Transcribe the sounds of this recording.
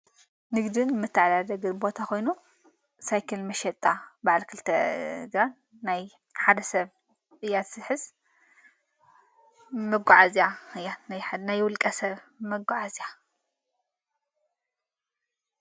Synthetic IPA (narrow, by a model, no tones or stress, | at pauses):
nɨɡd̪ɨnmːɨt̪ʰːaʕlad̪ɐɡɨbo̞t̪ʰako̞jnu | sajkʰɨlmɐʃɛt̪ʼabaʕlkʰɨlt̪ʰɐɡɾanː | aj | ħad̪ɐsɐβ | ɨjːat̪sɨħɨz | mɐɡʷaʕazjaɨjanajħnajwʊlkʼɐsɐβmɐɡʷaʕazja